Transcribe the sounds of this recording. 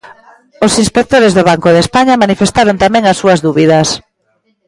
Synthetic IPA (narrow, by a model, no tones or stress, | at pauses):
osinspek̚t̪oɾezðoβ̞aŋkoðespaɲɐmanifest̪aɾont̪amɛ̃ŋasːuɐzðuβiðɐs